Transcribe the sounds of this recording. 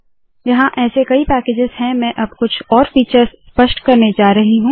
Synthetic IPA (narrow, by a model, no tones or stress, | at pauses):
jɐɦãʔɛːsekɐipɛːkeːd͡ʒɪzɦɛ̃mɛ̃ʔɐbkʊt͡ʃʰɔːɾfiːt͡ʃəɾzspɐʃʈkɐɾned͡ʒaːɾɐɦiɦũː